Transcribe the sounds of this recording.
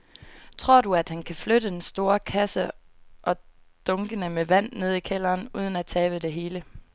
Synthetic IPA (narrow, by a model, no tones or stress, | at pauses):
t͡sʰʁo̝ɐ̰duæd̥hænkʰæfløɾəd̥ensd̥o̝ːɐkʰæsə | ʔɒ̽ | d̥ɔ̽ŋɡ̥ənəmeʋæn̰ne̝ð̞ˠikʰel̰ɐːnuːð̞ˠn̩æt͡sʰɛːʋ̥əd̥e̝ɦe̝ːlə